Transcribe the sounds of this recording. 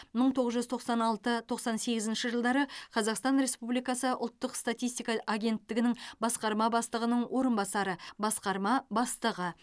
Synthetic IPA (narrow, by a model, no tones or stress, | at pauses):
məɴt̪ʰoʁəzʒʏzt̪ʰo̞qsɑnɑlˠt̪ət̪ʰo̞qsɑnse̞ɡʲɪzɪnʃɪʒəlˠd̪ɑɾəqʰɑzɑqst̪ɑnɾe̞spublijkɑsəʔʊ̰lˠt̪ːəqst̪at̪ʲijst̪ijkɑʔaɡʲe̞nt̪ːɪɡʲɪnɪŋbɑsqɑɾmɑbɑst̪əʁənəɴwʔo̞ɾənbɑsɑɾəbɑsqɑɾmɑbɑst̪əʁə